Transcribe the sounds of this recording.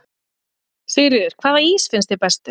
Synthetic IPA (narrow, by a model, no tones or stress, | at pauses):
θɪːɾɪðʏɾ̥kʰv̥aːðvaɾiːsfɪnst̪ɪpɛst̪ʏ